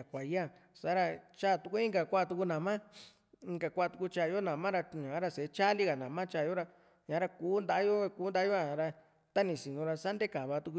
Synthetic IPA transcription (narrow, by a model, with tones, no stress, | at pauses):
a˨kʷa˨ja˦˨ | sa˦ɾa˧t͡ʃa˦˨t̪u˧ku˦i˦ŋɡa˨kʷa˦˧t̪u˧ku˧nã˨mã˦ | ĩ˧ŋɡa˨kʷa˧˦a˧˨t̪u˧ku˧t͡ʃa˧˨˧o˦nã˨mã˦ɾa˧ɲã˨˦ɾa˧se˨˦t͡ʃa˦li˦ɣa˨nã˨mã˦t͡ʃaː˦˧˨o˦ɾa˧ | ɲã˨˦ɾa˧kuː˨˦nd̪a˧ʔjo˦˧kuː˦nd̪a˧˦o˦a˧˨˧ɾa˧ | t̪a˦nĩ˨si˨nũ˧ɾa˧sa˦nd̪e˦ka˨βa˧t̪u˧ku˧